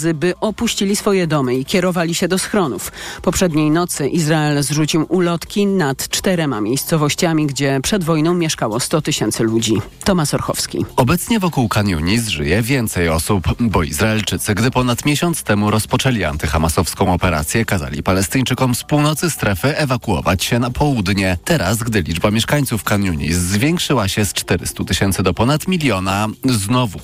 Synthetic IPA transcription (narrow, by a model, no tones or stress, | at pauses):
zɘbɘʔɔpuɕt͡ɕilʲisfɔjɛd̪ɔmɘikʲɛɾɔvalʲiɕɛd̪ɔsxɾɔnṵfpɔpʂɛd̪ɲejnɔt̪sɘʔizɾaɛlzʐut͡ɕiwʔulɔt̪kʲinat̪t͡ʂt̪ɛɾɛmamʲjejst̪sɔvɔɕt͡ɕamʲiɡd͡ʑɛpʂɛd̪vɔjnɔ̃w̃mʲjɛʂkawɔst̪ɔt̪ɘɕɛnt̪sɘlud͡ʑi | t̪ɔmasɔɾxɔ̰fskʲḭɔbɛt̪sɲɛvɔkuwkaɲṵɲisʐɘ̰jɛvʲjɛnt̪sɛjɔsupbɔḭzɾaɛlt͡ʂɘt̪sɘɡd̪ɘpɔnat̪mʲjeɕɔnt̪st̪ɛmuɾɔspɔt͡ʂɛlʲia̰nt̪ɘxamasɔfskɔ̃w̃ɔpɛɾa̰t̪sʲjɛkaza̰lʲḭpalɛst̪ɘɲt͡ʂɘkɔmfspuwnɔt̪sɘst̪ɾɛfɘɛvakuɔ̰va̰t͡ɕɕɛnapʰɔwud̪ɲɛt̪ɛɾasɡd̪ɘlʲid͡ʐbamʲjɛʂkaɲʲt̪sufkaɲʲjuɲḭzːvʲjɛŋkʂɘwaɕɛst͡ʂt̪ɛɾɘ̰st̪ut̪ɘɕɛnt̪sɘd̪ɔpɔnat̪mʲilʲjɔnaznɔvu